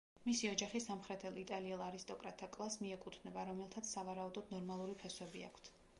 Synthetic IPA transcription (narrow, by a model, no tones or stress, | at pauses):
misiɔd͡ʒaχisamχɾɛt̪ʰɛlˠit̪ʼaliɛlˠaɾist̪ʼɔkʼɾat̪ʰːakʼlˠasmiɛkʼut̪ʰnɛbaɾɔmɛlˠt̪ʰat̪sʰsavaɾaud̪ɔd̪nɔɾmalˠuɾipʰɛswɛbia̰kʰt̪ʰ